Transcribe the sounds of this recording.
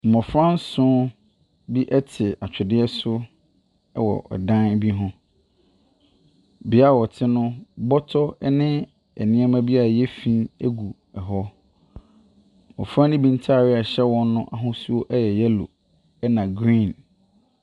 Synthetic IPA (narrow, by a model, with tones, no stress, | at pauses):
m̩˨mɔ̃˨fɾã˦n̩˦sʊ̃˦ | bi˦ʔɛ˦tʰɪ˨a˨t͡ɕᶣʰɪ˨dɪ˦ɛ˦sʊ˦ | ɛ̰˦wɔ̰˨ʔɔ̰˨dã˦n˦bi˦ɦʊ̃˦ | bɪ˨˦a˦˨wɔ˨tʰɪ˦nʊ̃˦bɔ˦tʰɔ˦ɛ˦nɪ̃˦ | ɛ̰˨nɪ̃˦ɛ˦mã˦bi˦a˨a˨jɛ˦fĩ˦e˦ɡu˨ | ɛ˨ɦɔ˦˨ | mɔ̰̃˨fɾã˦nɪ̃˦bĩ˨n˦tʰa˦˨ɾɪ˦a˨ɕɛ˦wɔ̃˦nː˦ʊ̃˦ʔa˨ɦʊ̃˦su˦o˦ʔɛ˦jɛ˨jɛ˦lo̰˨ | ɛ˦nã˨ɡɾĩ˦˨n